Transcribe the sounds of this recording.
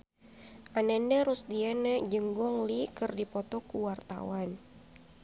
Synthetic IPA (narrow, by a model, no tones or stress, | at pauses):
ʔanɛndəɾusdiɛnəd͡ʒəŋɡɔŋlikɨrdipɔt̪ɔkuwart̪a̰wan